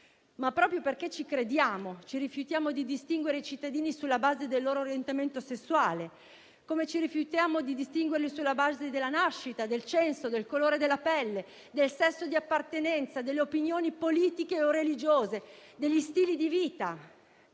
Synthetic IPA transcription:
mapːɾɔːpɾjoperket͡ʃikɾed̪jaːmot͡ʃiɾifjut̪jaːmod̪id̪ist̪iŋɡweɾeit͡ʃit̪ːad̪iːnisulːabaːzed̪elːoːɾoːɾjent̪ament̪osesːuwaːle | komet͡ʃiɾifjut̪jaːmod̪id̪ist̪iŋɡwerlisulːabaːzed̪elːanaʃːit̪ad̪elt͡ʃɛnsod̪elkoloːɾed̪elːapɛlːe | d̪elsɛsːod̪iapːart̪enɛnt̪sad̪elːeopinjoːnipoliːt̪ikeorelid͡ʒoːzed̪eʎːist̪iːlid̪iviːt̪a

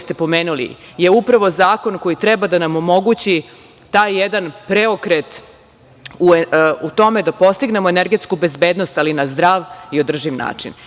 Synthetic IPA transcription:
st̪e̞po̞me̞ːnulḭ | je̞upɾaʋo̞zaːko̞nko̞jit̪ɾɛbad̪anamo̞mo̞ɡut͡ɕi | t̪aːjːed̪anpɾeo̞kɾet̪ | uut̪o̞me̞d̪apo̞st̪iɡne̞mo̞eneɾɡe̞t̪skube̞zbeːd̪nost̪alinazd̪ɾaʋiod̪r̩ʒiʋna̰ːt͡ʂḭn

